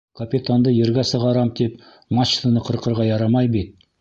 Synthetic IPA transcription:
kʰapʲit̪and̪əjeɾɡʲæsəʁɑɾɑmt̪ʰep | mɑʃt̪ənəqʰəɾqəɾʁɑjɑɾɑmɑjbet̪̚

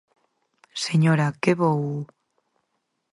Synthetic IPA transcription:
seɲoɾakeβow

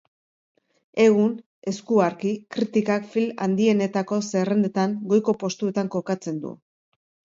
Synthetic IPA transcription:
e̞ɣ̞un | e̞skuaɾkikɾit̪ikakfila̰nd̪ie̞ne̞t̪ako̞se̞re̞nd̪et̪aŋɡo̞jko̞po̞st̪ue̞t̪aŋko̞kat͡se̞nd̪ṵ

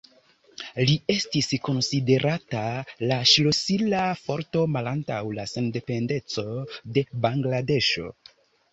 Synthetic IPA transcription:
lie̞stisko̞nside̞ɾʔatalaʃlo̞silafo̞ɾto̞malantawlase̞nde̞pe̞nde̞t͡so̞de̞baŋɡlade̞ʃo̞̰

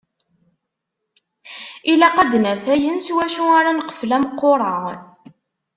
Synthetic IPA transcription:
ilæqæd̪næfæjənswæʃuaɾˤanəqə̥flæmqːoɾˤɑ

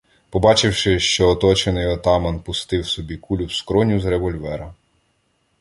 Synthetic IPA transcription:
pɔbɑt͡ʃɪwʃɪʃt͡ʃɔːt̪ɔt͡ʃenɪjɔt̪ɑmɐnpʊst̪ɪwsɔbʲikulʲuwskɾɔnʲuzɾeʋɔlʲʋɛɾɐ

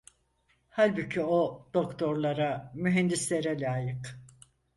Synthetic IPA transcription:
halʲbucʰiod̪̥o̞kt̪ʰo̞ɾlˠaɾamyɦɛnd̪islʲeɾɛlʲaːjɯk

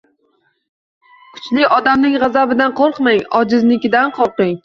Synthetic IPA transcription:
kʰʊ̥t͡ʃlɪɒd̪amnɪŋʁɑzabɪd̪anqʰoɾqmaŋɒd͡ʒɪznɪkʲɪd̪anqʰɒlˠqɪŋ

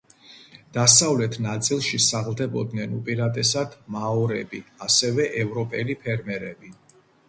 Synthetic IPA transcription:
d̪̥asavlɛt̪ʰnat̪sʼilˠʃisaʁlˠd̪ɛbɔd̪nɛnupʼiɾat̪ʼɛsad̪maɔɾɛbiasɛvɛʔɛvɾɔpʼɛlipʰɛɾmɛɾɛbi

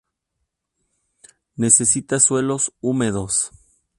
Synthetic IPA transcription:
ne̞se̞sit̪aswe̞lo̞sume̞ðo̞s

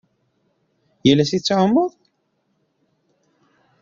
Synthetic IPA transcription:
jælːæsit͡sːʕəmːəðˤ

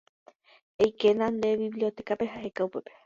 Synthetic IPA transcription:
ejkenãnd̪e̞βiβlio̞t̪e̞kape̞ɦahekaupepe

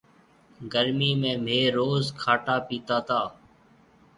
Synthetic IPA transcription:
ɡəɾmiːmẽːm̤ʱeːɾoːzkʰaːʈaːpiːt̪aːt̪aː

